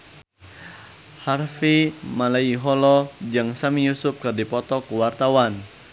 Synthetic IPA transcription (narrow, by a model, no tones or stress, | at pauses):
harfimalaiɦɔlɔd͡ʒaŋsamijusʊp̚kɨrdipɔt̪ɔkuwart̪awan